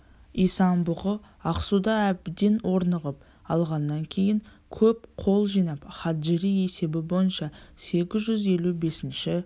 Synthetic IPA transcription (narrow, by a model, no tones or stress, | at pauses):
ijsɑnbʊʁə | ɑqsud̪ɑæb̚ɪd̪e̞nwʔo̞ɾnəʁəp | ɑlˠʁɑnːɑŋkʲʰe̞jɪŋ | kʲʰɵpqʰo̞lˠʒijnɑpχɑt̪ʒɪɾije̞se̞bɪbo̞jənʃɑse̞ɡʲɪzʒʏze̞lube̞sɪnʃɪ